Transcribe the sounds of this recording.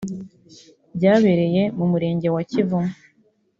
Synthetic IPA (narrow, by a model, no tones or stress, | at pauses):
bɟaːβe̞ɾe̞je̞mumuɾe̞ːɲɟe̞wacivu